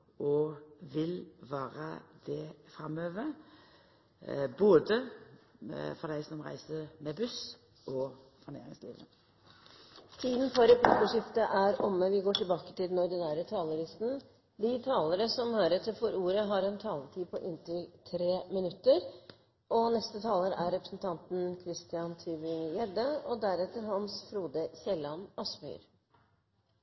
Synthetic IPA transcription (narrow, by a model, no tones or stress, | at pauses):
ʔɔʋɪlʋæːɾə̰d̪ɛfɾɑmøːʋə | boːd̪ə | fɔd̪æɪsɔmɾæ̰ɪsəmɛbʉs | ʔɔ | fɔɳḛːɾɪ̰ŋslḭːʋə | t̪ʰiːd̪n̩fɔɾɛpʰlɪkəʂɪft̪əʔæɾɔməʋɪɡoːʈɪlbɑːkə̥t̪ɪld̪ɛnɔɾɖ̪ɪnæːɾət̪ʰɑːləɾɪst̪n̩ | d̪ɪt̪ʰɑːləɾəsɔmhøːɾɛt̪ːəɾfɔɾuːɾəɦɑɾɛnt̪ʰɑːləʈʰiːpʰɔʔɪnt̪ɾʏt̪ʰɾeːmɪnʉt̪ːəɾ | ɔnɛst̪ət̪ʰɑːləɾæɾɾɛpɾəsn̩t̪ʰɑnt̪n̩kʰɾɪst̪ɪɑnt̪ʰyːbɪŋjɛd̪əɔd̪æɾɛt̪ːəɾɦɑnsfɾuːd̪əçɛlɑnɑsmy̰ːɾ